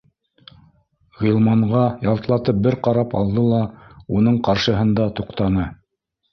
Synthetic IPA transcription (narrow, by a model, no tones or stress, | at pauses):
ʁilˠmɑɴʁɑjɑlˠt̪lˠɑt̪ɤp̚bɘɾqɑɾɑpɑ̰lˠd̪ɤlˠɑunɤɴqɑɾʃɤ̆ɦɤnd̪ɑt̪uqt̪ɑnɤ